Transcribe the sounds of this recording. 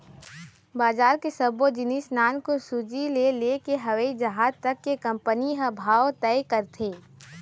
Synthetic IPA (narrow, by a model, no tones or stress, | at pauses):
baːzaːɾkesəbod͡ʒɪnisnaːnkosud͡ʒilelekeɦɐʋəid͡ʒɐɦaːdt̪ɐkːekɐ̃mpəniɦɐ̃bʱaːʋt̪ɛɪkəɾt̪ʰeː